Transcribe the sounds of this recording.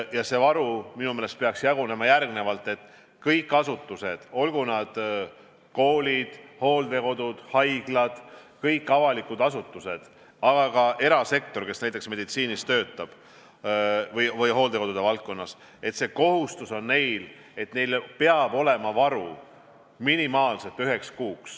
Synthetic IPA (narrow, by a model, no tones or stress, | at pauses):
jɑse̞vɑɾuminumele̞st̪̚pe̞ɑksjɑɡ̥une̞mɑjærɡne̞vɑlt̪ːˑe̞t̪ːˑ | kɤjkːˑɑsut̪ːˑuse̞d̪̥o̞lɡ̥unɑd̪̥ | ko̞ːlʲid̪̥ho̞ːld̪e̞ko̞d̪ud̪̥hɑjɡ̥lɑd̪̥kɤjkːɑvɑlikːˑud̪ɑsut̪ːˑuse̞d̪̥ | ɑɡ̥ɑkɑʔe̞ɾɑse̞k̚t̪o̞rke̞snæjt̪ːˑeksme̞d̪̥it̪siːnist̪ø̞ːt̪ːˑɑb̥ | vɤjvɤjɦo̞ːld̪e̞ko̞d̪ud̪̥evɑlt̪̚kːo̞nːɑs | e̞t̪se̞ko̞ɦust̪uso̞nːne̞jl | e̞t̪ne̞jlpe̞ɑb̥o̞le̞mɑvɑɾu | minimɑːlse̞t̪ːyɦe̞kskuːks